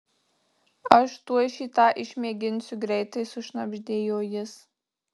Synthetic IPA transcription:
ɐʃt̪uɔʃʲiːt̪ɑːʔɪʃʲmʲiɛɡʲɪnʲsʲʊɡɾʲɛɪt̪ɐɪsʊʃnɐbʲʒʲd̪ʲeːjoːjɪs

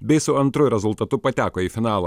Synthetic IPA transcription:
bʲɛɪsʊɐnt̪ɾʊjɾʲɛzʊlˠt̪ɐt̪ʊpɐt̪ʲæːkoːiːfʲɪnɑːlˠɐ

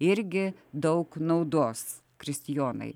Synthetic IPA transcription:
ɪɾʲɡʲɪd̪ɐʊknɐʊd̪oːs | kɾʲɪsʲt̪ʲɪjoːnɐ̰ɪ

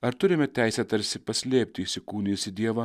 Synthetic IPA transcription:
ɐɾt̪ʊɾʲɪmʲɛt̪ʲæjsʲɛt̪ɐɾʲsʲɪpɐsʲlʲeːpʲt̪ʲiːsʲɪkuːnʲiːsʲɪd̪ʲiɛʋɐ

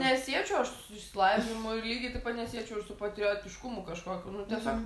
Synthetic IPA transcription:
nʲɛsʲiɛt͡ʃʲɛʊɐʃsʊ̥sʊʊɪʃʲsʲɪlˠɐɪʋʲimʊɪlʲiːɡʲɪt̪ɐɪpɐt̪nʲɛsʲiɛt͡ʃʲɛʊɪʃsʊpɐt̪ʲɾʲɪjoːt̪ʲɪʃkʊmʊkɐʃkoːkʲuːnʊt̪ʲɛsʲoːk

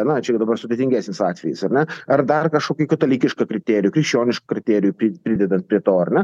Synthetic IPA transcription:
nɐt͡ʃʲɛd̪ɐbɐrsʊd̪ʲeːt̪ʲɪŋʲɡʲæːsʲnʲɪsɑːt̪ʲʋʲɛjɪsɐrnʲɛɐrd̪ɐrkɐʃkoːkʲʊkɐt̪olʲiːkʲɪʃkɐkɾʲɪt̪ʲeːɾʲɪjuːkɾʲɪkʃʲt͡ʃʲoːnʲɪʃkɐkɾʲɪt̪ʲæːɾʲɪjʊpʲɪpʲɾʲɪd̪ʲɛd̪ɐnt̪̚pʲɾʲiɛt̪oːɐrnʲɛ

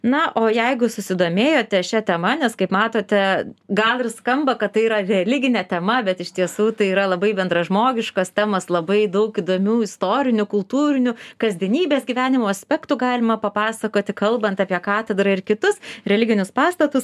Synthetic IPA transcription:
nɐʔoːjɛɪɡʊsʊsʲɪd̪oːmʲeːjoːt̪ʲɛʃʲɛt̪ʲɛmɐnʲɛskɐɪpmɑːt̪oːt̪ʲɛɡɐlˠɪrskɐmbɐkɐt̪t̪ːɐɪiːɾɐrʲɛlʲɪɡʲɪnʲɛt̪ʲɛmɐbʲɛt̪ɪʃt̪ʲiɛsuːt̪ɐɪiːɾɐlˠɐbɐɪbʲɛnd̪ɾɐʒmoːɡʲɪʃkɐst̪ʲæːmɐslˠɐbɐɪd̪ɐʊkiːd̪oːmʲuːɪst̪oːɾʲɪnʲʊkʊlˠt̪uːɾʲɪnʲʊkɐzʲd̪ʲɛnʲiːbʲeːsɡʲiʋʲæːnʲɪmoːɐsʲpʲɛkt̪uɡɑːlʲɪmɐpɐpɑːsɐkoːt̪ʲɪkɐlˠbɐnt̪ɑːpʲiɛkɑːt̪ʲɛd̪ɾɐɪrkʲɪt̪ʊsɾʲɛlʲɪɡʲɪnʲʊspɑːst̪ɐt̪ʊs

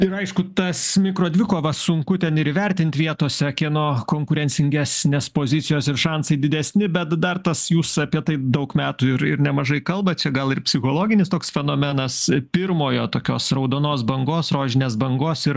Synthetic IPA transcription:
ɪɾɐɪʃkʊt̪ɐsmʲɪkɾoːd̪ʲʋʲɪkoːʋɐsʊŋkʊt̪ʲɛnɪɾɪʋʲɛɾʲt̪ʲɪnʲt̪ʲʋʲiɛt̪oːsʲɛkʲeɛnoːkoːŋkʊɾʲɛnʲt͡s̪ʲɪŋʲɡʲæːsʲnʲeːspoːzʲɪtt͡s̪ʲsʲɪjoːsɪrʃɑnsɐɪd̪ʲɪd̪ʲɛsʲnʲɪbʲɛt̪d̪ɐrt̪ɐsjuːsɐpʲiɛt̪ɐɪd̪ɐʊkmʲæːt̪uːɪɾɪɾnʲɛmɐʒɐɪkɐlˠbɐt͡ʃʲɛɡɐlˠɪrpʲsʲɪxoːlˠoːɡʲɪnʲɪst̪oːksfʲɛnoːmʲɛnɐspʲɪrmoːjoːt̪oːkʲoːsɾɐʊd̪oːnoːsbɐŋɡoːsroːʒʲɪnʲeːs̬bɐŋɡoːsɪɾ

